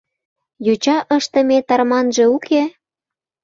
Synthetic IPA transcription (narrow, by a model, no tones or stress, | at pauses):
jut͡ɕɑʔəʃt̪ə̆met̪ɑrmɑnʒĕukʰe